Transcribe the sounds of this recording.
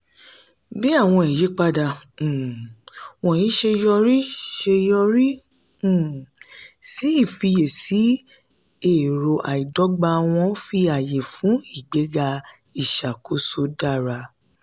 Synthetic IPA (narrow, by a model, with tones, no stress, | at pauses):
bi˦a˦˨w̃ɔ̃˧i˨je˨˦k͡pa˧dã˧˨ | wɔ̃˨jĩ˨˦ʃe˧jɔ˧ɾi˦ʃe˧jɔ˧ɾi˦˨ | si˦i˦˨fi˧je˨si˨˦ | e˦˨ɾo˨ʔa˨i˨dɔ˨˦ɡ͡ba˧w̃ɔ̃˧fi˧a˨je˨fũ˨˦i˦˨ɡ͡be˨˦ɡa˧ | i˦˨ʃa˨ko˨˧˦so˧˦da˦˨ɾa˧